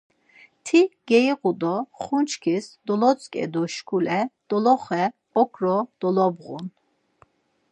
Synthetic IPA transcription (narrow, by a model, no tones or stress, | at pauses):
t̪ʰiɡ̥ɛiqud̪ɔχunt͡ʃʰkʰisd̪ɔlɔt͡sʼkʼɛ̰d̪ɔʃkʰulɛd̪̥ɔlɔχɛ | ɔkʰɾɔd̪̥ɔlɔbʁṵn